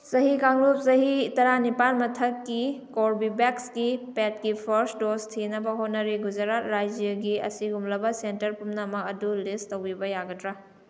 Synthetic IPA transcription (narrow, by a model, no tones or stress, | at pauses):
sɐɦikaŋlup̚sɐɦitɐɾanipanmɐtʰɐkːikoɾbibeksɡipet̚kipʰɐɾsdostʰinɐbɐɦot̚nɐɾiɡud͡ʒɐɾatɾajd͡ʒjɐɡiɐ̰siɡumlɐbɐsentɐɾpumnɐːmɐɐdulistɐwibɐjaɡɐtɾa